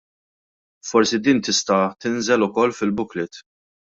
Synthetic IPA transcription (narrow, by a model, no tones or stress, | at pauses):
fɔɾsid̪iːnt̪ɪst̪ɐt̪ɪnzɛlʊkɔlːfɪlbʊklɪt̪